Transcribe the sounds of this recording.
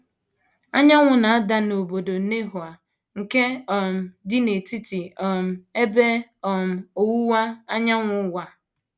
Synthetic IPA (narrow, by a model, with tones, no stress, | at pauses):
a˦ɲa˦ŋʷʊ˨na˨a˦da˦no˨bo˨do˨ne˦ɦʊ˨a˨ | ŋ̩˨ke˦ɔ˨m̩˨dɪ˦ne˨ti˦ti˨ɔ˨m̩˨˦e˦be˦ɔ˨m̩˨o˨wu˦wa˦a˦ɲa˦ŋʷʊ˦wa˨